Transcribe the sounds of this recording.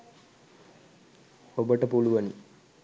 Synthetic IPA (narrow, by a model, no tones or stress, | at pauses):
obəʈəpuluʋɐni